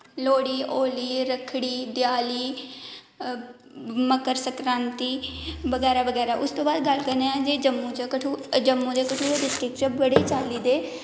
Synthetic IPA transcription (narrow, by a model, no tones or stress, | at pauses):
loːɽiːʔoːliːɾəkʰɽiːd̪jaːliː | məkəɾsəkɾãːnt̪iːʋəɡɛːɾaːʋəɡɛːɾaːʔʊst̪õːbaːd̪ɡəlkəɾneɛ̃ːd͡ʒeːd͡ʒəmːũːt͡ʃːkəʈʰud͡ʒəmːũːd͡ʒekəʈʰuːeɖɪsʈɾɪkt͡ʃebəɽeːt͡ʃaːliːd̪eː